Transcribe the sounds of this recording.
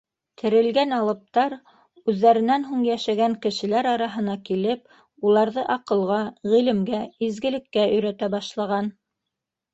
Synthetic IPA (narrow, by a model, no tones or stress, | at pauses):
t̪ʰɘ̆ɾɘ̆lɡænɑlˠɤ̆p̚t̪ɑɾ | ʉðːæɾɘ̆nænɦuɴjæʃæɡæŋkɘ̆ʃɘ̆læɾɑɾɑɦɤ̆nɑkilɘp | ulˠɑɾðɤʔɑqɤ̆lˠʁɑʁilɘ̆mɡæizɡɘ̆lɘ̆kːæɵ̆jɾæt̪æbɑʃlˠɑʁɑn